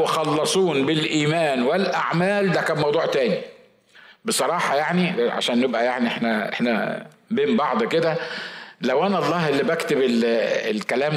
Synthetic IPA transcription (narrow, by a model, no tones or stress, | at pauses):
exɑlːɑsˤuːnbɪlʔiːmæːnwelʔaʕmæːld̪ækæːmɑwd̪ˤuːʕt̪æːni | besˤɑɾˤɑːħɑjaʕniʕa̰ʃæːnːebʔæjaʕniʔeħnæʔḛħnæ̰ | beːmbɑʕd̪ˤked̪ælæwʔænæʔɑlˤːɑːhʔelːibækt̪ebelelkælæːm